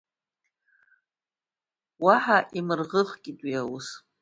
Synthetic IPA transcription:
waħaʔimɨrʁəχkʲʼitʼwiawus

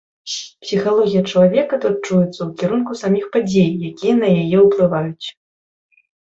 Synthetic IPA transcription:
psʲixalˠɔɣʲijɐt͡ʂɐlˠavʲɛkɐt̪ut̪̚t͡ʂujɛt̪sːɐwkʲiɾunkusamʲixpad͡zʲejːakʲijɐnɐjajɛuplˠɨvajut͡sʲ

